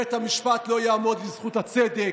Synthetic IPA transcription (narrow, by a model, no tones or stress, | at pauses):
et̪hamiʃpat̪lo̞jaːmo̞d̪lizχut̪hat͡sed̪e